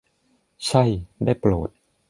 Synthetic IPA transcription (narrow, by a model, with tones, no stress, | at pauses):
t͡ɕʰa˥˩jdaː˥˩jploː˨˩t̪̚